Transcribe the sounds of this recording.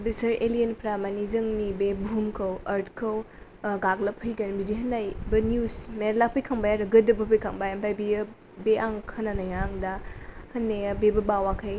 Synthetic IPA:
bisɐɾelijenpɾamanizɐŋnibebumkʰɐwɐɾtkʰɐw | ɡaɡlɐpʰhɐjɡɐnbidiɦɐnajbɐnjusmeɾlak̚pʰɐjkʰaŋbajaɾɐɡɐdɐbɐpʰɐjkʰaŋbajampʰajbijɐ | beʔaŋkʰɐnanɐjaŋdahɐnːeɐbebɐbawakʰɐj

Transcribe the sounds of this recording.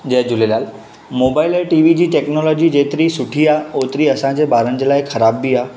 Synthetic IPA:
d͡ʑɛɦd͡ʑʊlelaːl | mobaɪleʈiʋid͡ʑiːʈeknɔlɔːd͡ʑid͡ʑet̪ɾisʊʈʰiaoːt̪ɾiəsãd͡ʑebaːɾənd͡ʑəlaːɪkʰəɾaːbːia

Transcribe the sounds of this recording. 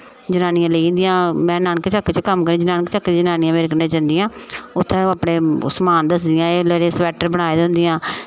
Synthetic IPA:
d͡ʒənaːnɪjãːləĩnd̪ɪjãːmɛ̃ːnaːnkt͡ʃəkːt͡ʃkəmkəɾẽːd͡ʒənaːnkt͡ʃəkːd͡ʒənaːnɪjãːmeːɾɪkənẽːd͡ʒənd̪ɪjãːʊt̪ʰːẽːaːpɽeːʊ̰smaːnd̪əs̬d̪ɪjãːeːləɾeːsʋɛːʈəɾbəɽ̃aːed̪ʊ̃nd̪ɪjãː

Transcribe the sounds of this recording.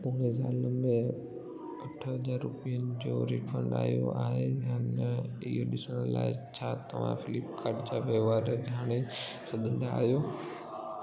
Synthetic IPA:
põːɾezaːləmẽ | ɐʈʰəɦɐzaːɾːʊpijənɪ̆d͡ʑoɾifʰə̃ɳɖa̰ːɦijo̰aːɦejaːnɪ̰ɦoɗɪsənəlːa̰ːɪt͡ɕʰaːt̪ɐʋ̤ã̰fɪlɪpkaɾɖd͡ʑaːʋeʋaːɾəd͡ʑʱaːɽ̃esɐɡ̪ʱə̃nd̪aːɦijoː

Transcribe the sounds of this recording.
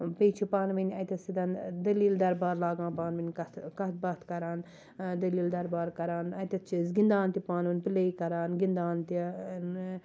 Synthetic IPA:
pejt͡ʃʰipaːnʋɐnʲɐjt̪ɐsid̪ɐnd̪ɐliːld̪ɐɾbaːɾlaːɡãːpaːnʋɐnʲkɐt̪kɐt̪̚bɐt̪kɐɾaːn | d̪ɐliːld̪ɐɾbaːɾkɐɾaːnɐjt̪ɐt̪̚t͡ʃʰizɡind̪aːnt̪ipaːnʋɐnʲpileikɐɾaːnɡind̪aːnt̪i

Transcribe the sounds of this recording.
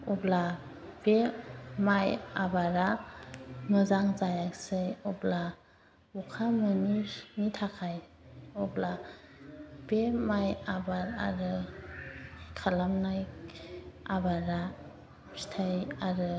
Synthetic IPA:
ɔbla | b̥emajabaɾa | mɯzaŋzajaksɯjɔbla | ɔkʰamɯninitʰakʰaj | ɔbla | b̥emajabaɾa̰ɾɯ | kʰalamnaj | abaɾa | si̥tʰajaɾɯ

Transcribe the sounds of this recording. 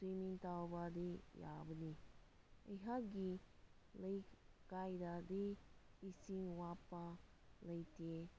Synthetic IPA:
semiŋt̪awbad̪eja̰bəni | əɦaɡi | ləjkajdad̪eisiŋwapːaləjte

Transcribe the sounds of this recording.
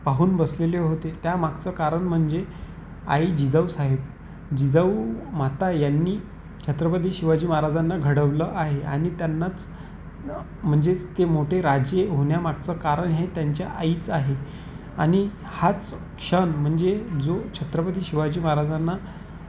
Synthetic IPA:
paɦuːnbəsleleɦot̪et̪jamaɡt͡səːkaɾəɳm̤əɳd͡ze | a̰id͡ʑid͡zaʋsaɦeb | d͡ʑid͡zəum̤at̪ajanːiː | t͡ɕʰət̪ɾəpəd̪iːɕiʋad͡ʑiːmaɾad͡zanːaɡʱəɽəʋləʔaɦea̰ɽ̃it̪janːat͡s | m̤əɳd͡zet̪emoʈʰeɾad͡ʑeɦoɳjamaɡ̚t͡səkaɾəɳɦet̪jaɲt͡ɕjaʔaiːt͡saɦe | aɽ̃i | hat͡s | kʂənm̤əɳd͡zed͡zot͡ɕʰət̪ɾəpəd̪iːɕiʋad͡ʑiːmaɾad͡zanːa

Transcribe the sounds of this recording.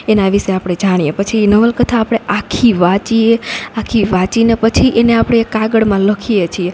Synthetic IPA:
enaʋiʃeapɽ̃ed͡ʒaɽ̃ijepət͡ʃʰinəʋəlkət̪ʰaːpɽ̃eʔakʰiʋat͡ʃieakʰiʋat͡ʃinepət͡ʃʰiʔeneapɽ̃eːkːaɡəɽmãləkʰijet͡ʃʰie

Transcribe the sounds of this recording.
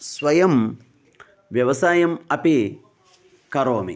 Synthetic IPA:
sʋɐjɐm | ʋjɐʋɐsaːjɐmɐpi | kɐɾoːmḭ

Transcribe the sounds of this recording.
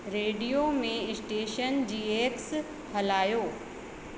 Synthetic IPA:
ɾeːɖijomẽɪsʈeːʃənd͡ʑiːeːks | hɐlaːjoː

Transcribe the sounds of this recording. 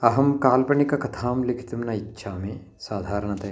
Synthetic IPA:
ɐɦɐmkaːlpɐɳikɐkɐt̪ʰaːmlikʰi̥t̪umnɐitːʃʰaːmi | saːd̪ʱaːɾɐɳɐt̪eː

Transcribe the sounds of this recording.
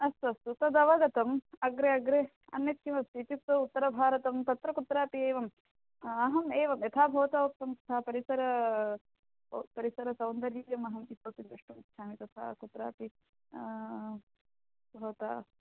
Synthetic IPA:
ɐst̪ɐst̪ut̪ɐd̪ɐʋɐɡɐt̪ɐmɐɡɾeɐɡɾe | ɐ̰njɐt̪ʰimɐst̪it͡ʃ̪it̪ʋɐut̪ːɐɾɐbʱaːɾɐt̪ɐmt̪ɐt̪ɾɐkut̪ɾaːpieːʋɐm | ɐɦɐmeːʋɐmjɐt̪ʰaːbʱɐʋɐt̪aok̚t̪ɐmt̪ɐ̥t̪ʰaːpɐɾisɐɾɐ | pɐɾisɐɾɐsɐwnd̪ɐɾjiːjɐmɐɦɐmisɐːt̪id̪ɾɐʂʈumkʃʰaːmit̪ɐt̪ʰa̰ːkut̪ɾaːpi | bʱɐʋɐt̪a̰ː

